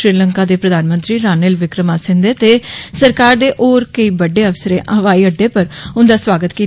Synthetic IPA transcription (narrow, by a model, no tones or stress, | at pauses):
ɾiːləŋkaːd̪eːpɾəd̪aːnmənt̪ɾiːɾaːneːlʋɪkɾəmaːsɪ̃nd̪eːt̪eːsəɾkaːɾd̪eːʔoːɾkəiːbəɖeːəʋsəɾẽːʔəɦəʋaːiːəɖːeːpəɾʊnd̪aːsʋaːɡət̪kiː